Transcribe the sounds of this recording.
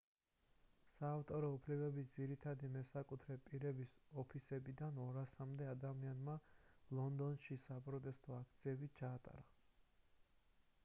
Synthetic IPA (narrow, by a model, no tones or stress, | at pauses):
saːft̪ʼɔɾɔupʰlɛbɛbit̪d̪ziɾit̪ʰad̪imɛsakʼut̪ʰɾɛpʼiɾɛbisɔpʰisɛbid̪anɔɾasamd̪ɛad̪amianmalˠɔnd̪ɔnʃisapʼɾɔt̪ʼɛst̪ʼɔak̚ʰt̪sʰiɛbit͡ʃʰaːt̪ʼa̰ɾa